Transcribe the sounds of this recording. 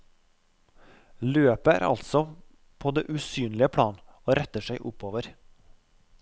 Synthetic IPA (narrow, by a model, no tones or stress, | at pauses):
løːpəæ̰ːɾʔɑ̰lt̪sɔ | pʰoːd̪eːʔʉsyːnlɪəpʰɽɑːnoːɾɛt̪əʃæɪʔʊpoːʋəɾ